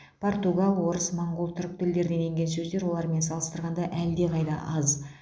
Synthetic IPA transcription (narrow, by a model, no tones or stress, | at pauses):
pʰo̞rt̪uɡalˠwo̞ɾəsmoɴɡolˠt̪ʰʏɾk̚t̪ʰʏld̪e̞ɾd̪e̞ne̞ŋɡʲe̞ns̬ɵzd̪e̞ɾwolˠɑɾme̞nsɑlˠəst̪əɾʁɑnd̪ɑʔæld̪e̞qʰɑjd̪ɑ̰ʔɑz